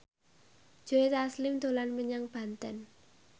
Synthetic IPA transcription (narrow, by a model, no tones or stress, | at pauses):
d͡ʒ̥oet̪aslɪmd̪̥o̤lanməɲaŋb̥a̤nt̪ən